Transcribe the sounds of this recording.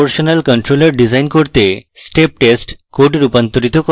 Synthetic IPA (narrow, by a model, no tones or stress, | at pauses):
oɾʃonalkɔnʈɾolaɾɖid͡ʑajnkoɾt̪esʈep̚ʈesʈkoɖeɾupant̪oɾit̪oko